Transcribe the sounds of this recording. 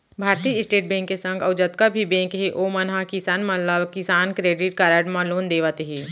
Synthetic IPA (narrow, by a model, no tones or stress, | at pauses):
bʱaːɾt̪iːɪsʈeːʈ̚bẽːŋkːesɐ̃ŋɡɐʊd͡ʒət̪kabʱibẽːŋkɦeʔoːmɐnɦakɪsaːnmɐ̃laʋkɪsaːnkɾeːɖɪʈkaːɾəːɖmãloːnd̪eːʋat̪eɦeː